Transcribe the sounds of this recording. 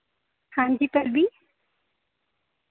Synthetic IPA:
hãːɲd͡ʒiːpɐɾbʱiː

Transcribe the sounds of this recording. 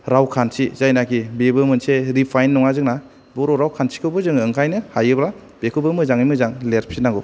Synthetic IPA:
ɾawkʰansizajnakʰibebɯmɯnseɾipʰajnːɔŋazɯŋna | bɔɾoɾawkʰansʰi̥kʰɯwbɯzɯŋɯŋkʰajnɯhajɯbla | b̥ekʰɯbɯmɯzaŋɯjmɯzaŋleɾpʰinaɡɔ

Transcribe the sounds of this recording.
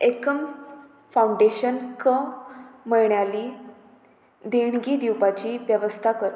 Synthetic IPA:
ekəm | fawuɳɖeɕənkəməɭɳjali | d̪eɳɡiːd̪iwpat͡ɕiːʋjəʋəst̪ʰakəɾ

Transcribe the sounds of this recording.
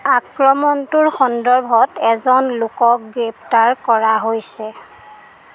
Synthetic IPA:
ak̚pɹɔmɔntʊɹxɔndɔɹbʱɔtɛzɔnlʊkɔkɡɹep̚taɹkɔɹaɦojsɛ

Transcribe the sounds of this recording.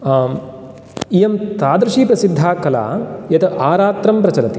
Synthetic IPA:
ijɐmt̪aːd̪ɾuʃiːpɾɐsid̪ʱːaːkɐla̰ːjɐt̪ʰɐʔaːɾaːt̪ɾɐmpɾɐt͡ʃɐlɐt̪i

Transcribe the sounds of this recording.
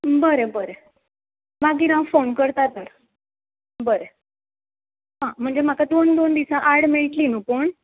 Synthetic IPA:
bəɾebəɾe | maɡiɾãfonkəɾt̪at̪əɾ | bəɾe | ɦãm̤əɳd͡zem̤akad̪ond̪ond̪isaʔaɽmeɭʈlinupoɳ

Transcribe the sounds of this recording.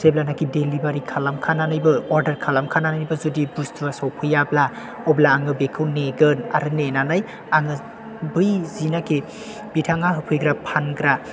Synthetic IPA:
seblanakidelibaɾikʰalamkʰananajbɯɔɾdɐɾkʰalamkʰananajbɯzudibustʰuasawpʰɯjabla | ɔblaːŋɯbekʰɯwneɡɯna̰ɾɯnenanaj | aŋɯ | bɯjzinaki | b̥itʰaŋaɦɯpʰɯjɡɾapʰanɡɾa

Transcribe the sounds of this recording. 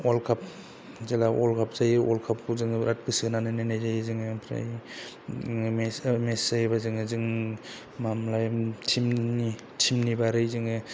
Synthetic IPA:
ɔlkʰap̚ | zelaʔɔlkʰap̚zajɔlkʰap̚kuzɯŋɯɾat̚kʰɯsinanɯnajnajzajzɯŋɯpʰɾa̰j | mesmesajbazɯŋɯzɯŋ | mamlajtʰimni | tʰimnibaɾɯjzɯŋɯ

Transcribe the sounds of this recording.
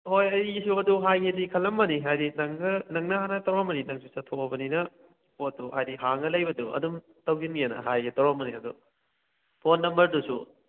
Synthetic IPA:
hojɐjsuɐduɦajɡedikʰɐlɐmːɐniɦajdinɐŋːɐnɐŋnɐhanɐtɐwɾamɐninɐŋsusɐtʰoɐbɐninɐ | oduhajdiɦaŋɐlɐjbɐduɐ̰dum | tɐwɡinɡeenɐ̰ɦajɡetɐwɾamɐniɐdṵ | pʰonːɐmbɐɾdusṵ

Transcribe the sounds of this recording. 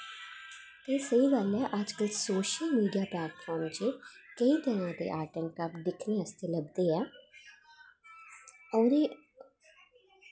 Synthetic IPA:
t̪eːsəiːɡalɛːʔəd͡ʒkəlsoːʃəlmiːɖijaːplɛːʈ̚pʰɔːɾmt͡ʃeːkəiːt̪ənãːd̪ḛːʔaːʈənkəpd̪ɪkʰneːəst̪eːləɡd̪eːɛː | ɔːɾeː

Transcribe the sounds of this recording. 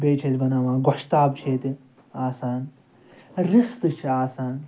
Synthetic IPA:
beːt͡ʃʰet̪ʲbɐnamãːɡɔʃt̪aːbt͡ʃʰeːt̪i | aːsaːn | ɾist̪ɨt͡ʃʰiaːsaːn

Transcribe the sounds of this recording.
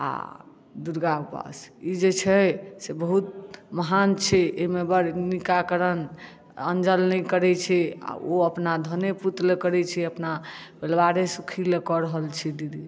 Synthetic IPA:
a̰ | d̪uɾɡapa̰sid͡ʒet͡ʃʰɛsebəɦut̪̚məɦant͡ʃʰɛemebəɾnikakəɾən | ə̰nd͡ʒəlnɛkəɾɛt͡ʃʰɛa̰oəpnad̪ʱəneput̪lekəɾɛt͡ʃʰɛəpna | belʋaɾesukʰilekɔɾəɦəlt͡ʃʰɛd̪id̪i

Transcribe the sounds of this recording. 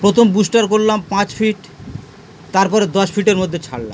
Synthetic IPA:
pɾot̪ʰombusʈaɾkoɾlampãt͡ɕfʰiʈ | t̪aɾpɔɾed̪ɔʃfʰiʈeɾmod̪ʱːet͡ɕʰa̰ɽla̰m

